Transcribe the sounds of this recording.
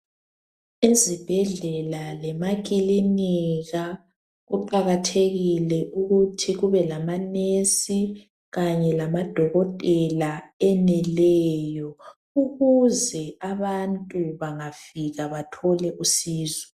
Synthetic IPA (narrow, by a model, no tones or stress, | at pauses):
izib̥ʱɛɮɛlalɛmakʼiliniɣa | ɣuǃaɣatʰeɣilɛʔuɣutʰiɣuβɛlamanesi | ɣaɲɛlamad̥ʱɔɣɔtʼɛlaɛnɛlɛːjɔ | uɣuzɛaβantʼuβaŋafiɣaβatʰɔlɛʔusiːzɔ̥